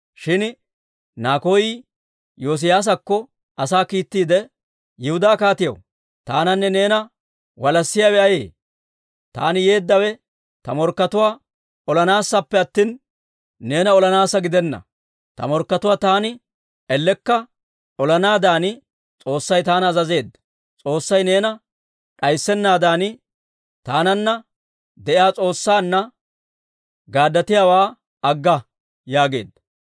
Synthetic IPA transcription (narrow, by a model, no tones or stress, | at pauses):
ʃɪn | naːko̞ːjɪ | joːs̬ɪjaːs̬ɐkːɔ | ʔɐsaːkiːt̪ːiːd̪ɛ | jɪhʊd̪aːkaːt̪ɪjɐ̰w | t̪aːnɐnːɛne̞ːnɐ | wɐlɐsːɪjawɛʔɐjḛː | t̪a̰ːnɪjeːd̪ːɐwɛ | t̪ɐmɔɾkːɐt̪ʊwaː | ɔlɐnaːsːɐpːɛɐt̪ːiːnː | e̞ːnɐɔlɐnaːsɐɡɪd̪ɛnːɐ̰ | t̪ɐ̰mɔɾkːɐt̪ʊwaːt̪aːnɪ | ɛlːɛkːɐ | ɔlɐnaːd̪aːnɪ | t͡sʼo̞ːsːɐjt̪aːnɐːzɐze̞ːd̪ːɐ | t͡sʼo̞ːsːɐjne̞ːnɐ | ᶑɐjsːɛnːaːd̪aːnɪ | t̪aːnɐnːɐ | d̪ɛʔɪjaːt͡sʼo̞ːsːaːnːɐ | ɡaːd̪ːɐt̪ɪjaːwaː | ɐɡːɐ | jaːɡe̞̰ːd̪ːɐ